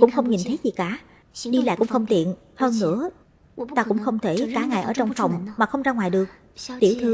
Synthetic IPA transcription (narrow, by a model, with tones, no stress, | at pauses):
kʊ̰˧˥ŋ͡mxə˧wŋ͡mɲi˨˩nt̪ʰə˨˦jzi˨˩kaː˧˩ | ɗi˧la̰ː˧˨jkʊ̰˧˥ŋ͡mxə˧wŋ͡mt̪ḭ˧˨ən | həː˧nːɨ̰˧˥ə | t̪aː˧kʊ̰˧˥ŋ͡mxə˧wŋ͡mt̪ʰe˧˩kaː˨˦ŋa̰˧˩˨jʔəː˧˩t͡ɕwŋ͡mfɔ˨˩wŋ͡mmaː˨˩xə˧wŋ͡mzaː˧ŋwaː˨˩jɗɨ˨˩ək̚ | t̪i˧˩wt̪ʰɨ˧